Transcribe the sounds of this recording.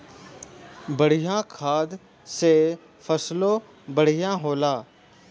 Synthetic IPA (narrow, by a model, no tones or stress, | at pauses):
bəɽ̤ijãkʰaːd̪ | se | fʰəslõ | bəɽ̤ijãɦoːlaː